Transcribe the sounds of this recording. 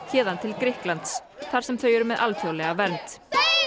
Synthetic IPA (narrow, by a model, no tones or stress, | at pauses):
çɛːðant̪ʰɪlkɾɪhklant̪sθaɾ̥sɛmθœɥjʏɾʏmɛðʔalfjowlɛɣavɛɾnt̪